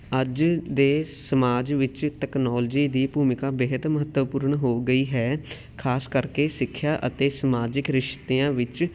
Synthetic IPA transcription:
əd͡ʒd̪eːsəmaːd͡ʒʋɪt͡ʃt̪ɛːknɔːld͡ʒiːd̪iːpuːmɪkãːbeːɦət̪məɦət̪ːəʋpʊɾɳɦoːɡəiːɦɛː | kʰaːskəɾkeːsɪkʰːjaːʔət̪eːsəmaːd͡ʒɪkɾɪʃt̪eːãːʋɪt͡ʃ

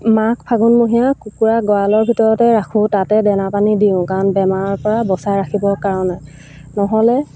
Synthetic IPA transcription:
mak̚ʰpʰaɡunmoɦijakukuɹaɡɔalɔɹbʱitɔɹɔtɛɹakʰʊ̃tatɛdɛnapanidiʊ̃kanbɛmaɹɔɹpɔɹabɔsajɹakʰibɔkaɹɔnɛ | nɔɦɔlɛ

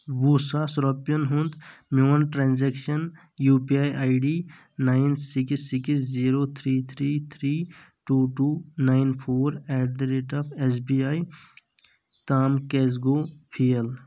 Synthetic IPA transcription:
ʋusaːsɾɔːpjənɦũnd̪mjoːnʈɾãːnzɛːkʃən | juːpiaːjʔaːɪɖiː | naːɪnsɪksːɪksziːɾoːt̪ʰɾiːt̪ʰɾiːt̪ʰɾiː | ʈuːʈuːnaːɪnpʰoːɾɛːʈ̚d̪ɾeʈaːpʰes̬biːaːi | t̪aːmkezɡoːpʰiel

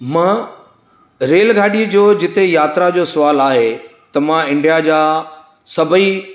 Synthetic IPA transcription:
mãː | ɾeːlɡʱaːɗiəd͡ʑoːd͡ʑɪt̪ejaːt̪ɾad͡ʑoːsʊʋaːlaːɦet̪ɐmãɪ̃ɳɖijad͡ʑaː | sɐbʱi

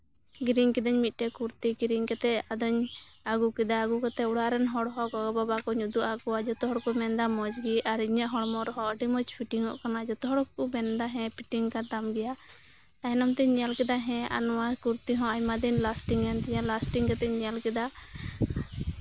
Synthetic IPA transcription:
ɡɾiɲkɛd̪aɲmit̪̚ˀʈɛkuɾt̪iɡɾiɲkɛt̪ɛad̪ɔɲaɡukɛd̪aːɡukat̪ɛuɽaɾɛnɦɔɽɦɔ̃kɔɡɔbabakɔɲud̪uʔakɔad͡ʒɔt̪ɔɦɔɽkɔmɛnd̪amɔd͡ʒɡiʔaɾiɲaʔɦɔɽmɔɾɔɦɔ̃ɔʈimɔt͡ʃpʰiʈiŋɔ̰ʔkanad͡ʒɔt̪ɔɦɔɽkumɛnd̪aɦɛ̃piʈiŋkad̪amɡɛja | aɛnɔmt̪ɛɲalkɛd̪aɦɛ̃a̰nɔwakuɾt̪iɦɔ̃aɲmad̪ɛɲlasʈiŋɛnt̪ɛɲalasʈiŋkɛt̪ɛɲalkɛd̪a

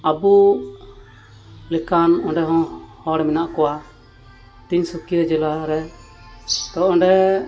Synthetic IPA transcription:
abu | lɛkanɔ̃ɖɛɦɔ̃hɔɽɛmɛnaʔkɔwa | t̪iɲsukiɾɛd͡ʒɛlaɾɛ | t̪ɔʔɔ̃ɳɖɛ

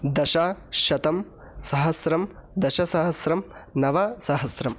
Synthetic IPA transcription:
d̪ɐʃaːʃɐt̪ɐm | sɐɦɐsɾɐmd̪ɐʃɐsɐɦɐsɾɐmnɐʋasɐɦɐsɾɐm

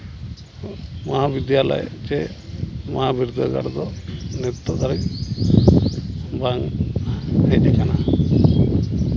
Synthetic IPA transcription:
mɔɦabid̪jala̰jt͡ʃɛ | mɔɦabiɾud̪ʱəɡa̰ɾd̪ɔnɛt̪ɔd̪aɾɛk̚ | baŋ | ɦed͡ʒɛkana

